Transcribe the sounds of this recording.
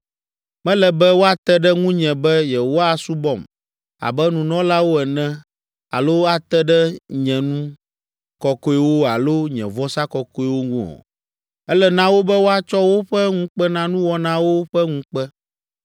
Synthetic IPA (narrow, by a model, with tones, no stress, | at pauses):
mɛ̃˦lɛ˨bɛ˦wo˦a˦t̪ɛ˦ɖɛ˦ŋũ˦ɲɛ̃˨bɛ˦jɛ˨owo˦a˨su˦bɔ˦˨m | a̰˨bɛ˦nũ˨nɔ̃˦la˦wo˦ɛ˨nɛ̃˦ | a̰˨lo˦a˦t̪ɛ˦ɖɛ˦ɲɛ̃˨nũ˦ | kɔ˨kɔ˦i˦wo˦a˨lo˦ɲɛ̰̃˨vɔ˦sa˦kɔ˨kɔ˦i˦wo˦ŋũ˦ɔ̰̃˨ | ɛ˦lɛ˦nã˦wo˦bɛ˦wo˦a˦t͡ʃɔ˦wo˦ɸɛ˦ŋũ˦k͡pɛ˦nã˦nũ˦wɔ˦nã˦wo˦ɸɛ˦ŋũ˦k͡pɛ˦